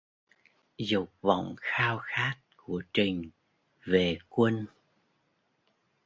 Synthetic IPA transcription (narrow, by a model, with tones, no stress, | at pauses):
zʊ˨˩k͡p̚va̰˧˨wŋ͡mxaː˧wxaː˦˥t̚ku˧˩ət͡ɕï˨˩ŋ̟ | ve˨˩kwə˧n